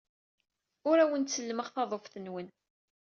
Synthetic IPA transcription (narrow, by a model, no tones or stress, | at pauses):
ʊɾæwənt̪səlːəməʁθɑðˤofθənwən